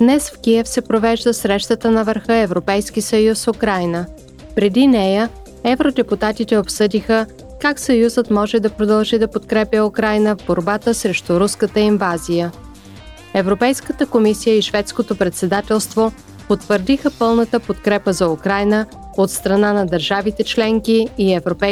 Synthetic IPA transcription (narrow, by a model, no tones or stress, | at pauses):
d̪̥nɛsfkiɛfsɛpɾovɛʒd̪əsɾɛʃt̪ət̪ənɐvəɾxɤɛvɾopɛjsk̟isəjusfukɾajnə | pɾɛd̪inɛjə | ɛvɾod̪ɛput̪at̪it̪ɛopsɤd̪ixə | kaksɐjuzət̪mɔʒɛd̪ɐpɾod̪ɐlˠʒid̪ɐpot̪kɾɛpʲjəukɾajnəvboɾbat̪əsɾɛʃt̪uɾuskət̪əiɱvazijə | ɛvɾopɛjskət̪əkomisijəiʃvɛt̪skot̪opɾɛt̪sɛd̪at̪ɛlˠst̪vo | pot̪ːvəɾd̪ixəpɤlˠnət̪əpot̪̚kɾɛpəzɐukɾajnə | ot̪st̪ɾɐnanɐd̪əɾʒavit̪ɛt͡ʃlɛŋkiːɛvɾopɛ